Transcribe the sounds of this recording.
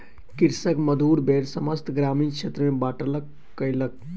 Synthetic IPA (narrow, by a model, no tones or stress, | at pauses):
kiɾsəkməd̪ʱuːɾbeːɾsəməst̪ɡɾaːmiːnkt͡ʃʰet̪ɾəmẽbaːʈələkː | əjlək̚